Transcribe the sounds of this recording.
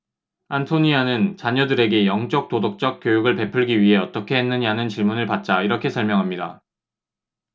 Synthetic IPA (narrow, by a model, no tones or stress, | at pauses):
antʰoɲianɯnt͡ɕaɲʌdɯɾe̞ɡe̞jʌŋt͡ɕ͈ʌk̚t͈odok̚t͡ɕ͈ʌk̚k͈jojuɡɯɭpe̞pʰɯɭɡiɥiɦe̞ʌt͈ʌkʰe̞ɦe̞nːɯɲanɯnt͡ɕiɭmunɯɭpat̚t͡ɕ͈aiɾʌkʰe̞sʰʌɭmjʌŋɦamɲida̰